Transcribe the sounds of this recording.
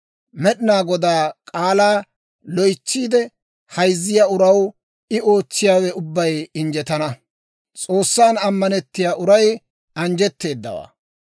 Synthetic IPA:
mɛɗɪnaːɡɔd̪aːkʼaːlaː | lɔjt͡ʃːiːd̪ɛ | hɐjzːɪjaːʊɾɐw | ɪo̞ːt͡ʃːɪjaːwɛʊbːɐjɪnd͡ʒɛt̪ɐnɐ | t͡sʼo̞ːsːaːnɐmːɐnɛt̪ːɪjaːʔʊɾɐj | ɐnd͡ʒɛt̪ːe̞ːd̪ːɐ̰wa̰ː

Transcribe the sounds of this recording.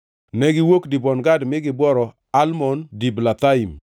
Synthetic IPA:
nɛɡɪwokdibɔnɡadmɪɡɪbwɔɾɔ | almɔndiblat̪aim

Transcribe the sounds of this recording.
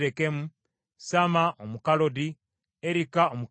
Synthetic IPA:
ɾekemu | samaʔomukalodi | eɾikaomu

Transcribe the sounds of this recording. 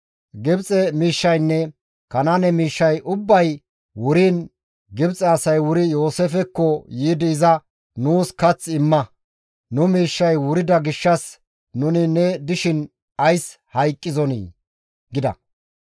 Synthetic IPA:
ɡɪbt͡sʼɛmiːʃːɐjnːɛ | kɐnanɛmiːʃːɐjʔʊbːɐj | wʊɾiːn | ɡɪbt͡sʼɛɐsɐjwʊɾɪjo̞ːsefɛkːɔjiːd̪ɪːzɐ | nuːskɐt͡sːɪmːɐ | nʊmiːʃːɐjwʊɾɪd̪ɐɡɪʃːɐs | nʊnɪnɛd̪ɪʃɪn | ɐjs | hɐjkʼːɪzɔnḭː | ɡɪd̪ɐ̰

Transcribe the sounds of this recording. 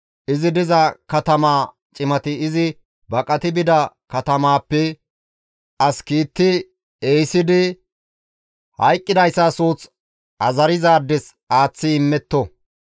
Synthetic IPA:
ʔɪzɪd̪ɪzɐkɐt̪ɐmaː | t͡ʃʼɪmɐt̪ɪːzɪ | bɐkʼɐt̪ɪbɪd̪ɐ | kɐt̪ɐmaːpːɛ | ɐskiːt̪ːɪ | eːjsɪd̪ɪ | hɐjkʼːɪd̪ɐjsːasuːt͡s | ʔɐzɐɾɪzaːd̪ːɛs | aːt͡sːɪɪmːɛt̪ːɔ

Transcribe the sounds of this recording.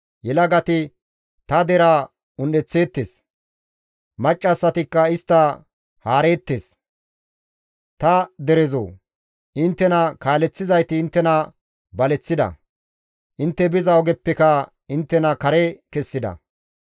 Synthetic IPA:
jɛlɐɡɐt̪ɪ | t̪ɐd̪ɛɾa | ʊnɗɛt͡sːe̞ːt̪ːes | mɐt͡ʃʼːɐsːɐt̪ɪkːɐɪst̪ːɐ | haːɾe̞ːt̪ːeːs | t̪ɐd̪ɛɾɛzo̰ː | ʔɪnt̪ːɛnɐkaːlɛt͡sːɪzɐjt̪ɪːnt̪ːɛnɐ | bɐlɛt͡sːɪd̪ɐ̰ | ʔɪnt̪ːɛbɪzɐɔɡɛpːɛkɐ | ɪnt̪ːɛnɐkɐɾɛkɛsːɪd̪ɐ̰

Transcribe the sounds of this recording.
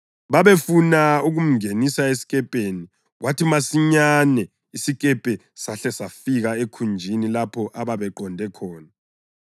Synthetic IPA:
βaβefunauɣum̩ŋenisaesi̥kʼɛpʼeni | ɣwʔatʰimasiɲanɛ | isikʼɛpʼɛ | saɬɛsafiɣaekʰund͡ʒʱinilapʰɔʔaβaβɛǃɔndʱɛkʰɔːna

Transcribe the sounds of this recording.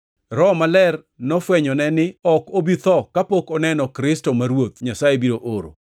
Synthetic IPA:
ɾɔmalɛr | nɔfwɛɲɔnɛnɪɔkobit̪ɔkapokɔnɛnɔkɾɪstomaɾwot̪ɲasajebiɾoʔoɾo̰

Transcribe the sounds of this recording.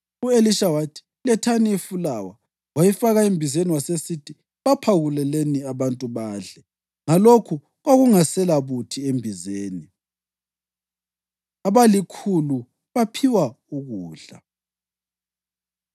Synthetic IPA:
ueliʃawatʰi̥ | lɛtʰaniifulawa | wajifaɣaimbʱizeniwasesitʰi | βapʰawulɛleniaβantʼuβaːɮɛ | ŋalokʰu | ɣaɣuŋasɛlaβutʰiembʱizeːni | aβalikʰulu | βapʰiwa | uɣuːɮa̰

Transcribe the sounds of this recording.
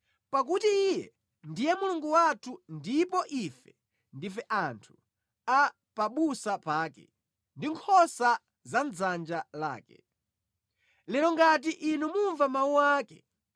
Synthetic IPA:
pak̬utiijɛ̰ | ndijɛmuluŋɡuwatʰundipɔʔifɛ | ndifɛʔantʰu̥ | a | paɓusapaːkɛ̰ | ndiŋkʰɔsa | zanzand͡ʒala̰ːkɛ̰ | lɛɾɔŋɡat̬iʔinumuɱvamauaːkɛ̰

